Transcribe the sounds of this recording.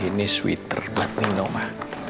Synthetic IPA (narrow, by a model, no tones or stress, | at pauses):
iniswḭt̪ə̰rbat̪̚ninɔmah